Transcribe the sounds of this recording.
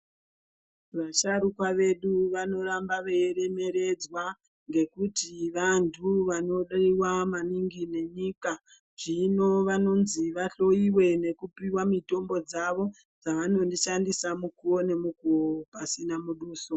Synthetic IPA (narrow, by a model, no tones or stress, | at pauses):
ʋaʃaɾukwaʋe̞ɗuʋano̞ɾambaʋeeɾe̞me̞ɾe̞d͡zwa | ŋɡe̞kutiʋantʰuʋano̞ɗaiwamaniŋɡine̞ɲika | ʐ̥ino̞ʋano̞nziʋaɬo̞iwe̞ne̞kupiwamito̞mbo̞d͡zaʋo̞ | d͡zaʋano̞ndiʃandisamukuo̞ne̞mukuopasinamuɗuːso